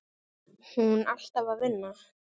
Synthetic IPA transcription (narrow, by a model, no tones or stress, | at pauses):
hunal̥t̪avaɾvɪnːa